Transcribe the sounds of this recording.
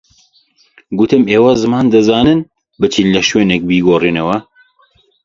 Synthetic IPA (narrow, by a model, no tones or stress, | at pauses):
ɡut̪ʰɨmeːwɐzɨmaːnd̪ɨzɑːnɨn | bɨt͡ʃʰinlɛʃweːnɛk̚biːɡoːriːnɐwɐ